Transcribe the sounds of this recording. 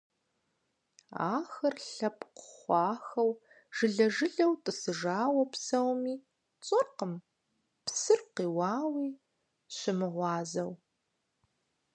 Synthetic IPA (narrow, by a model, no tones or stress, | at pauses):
a̰ːxɐrɬɐpqχʷɑːxɐw | ʒ̥ɨɮɐʒɨɮɐwtʼɨsɨʒaːwɐpsɐwmiː | t͡sʼɐrqəm | psɨrqiːwɑːwiː | ɕɪmɨʁʷɑːzɐw